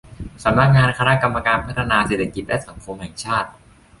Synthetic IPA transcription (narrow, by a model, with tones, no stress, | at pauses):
sa˩˦mna˦˥˩k̚ŋaː˧nkʰaː˧na˦˥ʔka˧mːa˧kaː˧npʰa˦˥˩t̪ʰa˧naː˧seː˨˩t̪ʰːa˧ki˨˩t̪̚lɛ˦˥ʔsa˩˦ŋkʰo˧mhɛ˨˩ŋt͡ɕʰaː˥˩t̪̚